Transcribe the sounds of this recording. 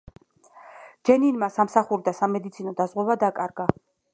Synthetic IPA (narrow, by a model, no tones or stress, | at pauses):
d͡ʒɛninmasamsaχuɾd̪asamɛd̪it̪sʰinɔd̪azʁwɛvad̪akʼaɾɡa